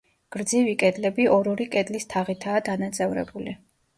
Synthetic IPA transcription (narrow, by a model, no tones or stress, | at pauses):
ɡ̥ɾd̪zivikʼɛd̪lɛbiʔɔɾɔɾikʼɛd̪list̪ʰaʁit̪ʰaːd̪anat̪sʼɛvɾɛ̰buli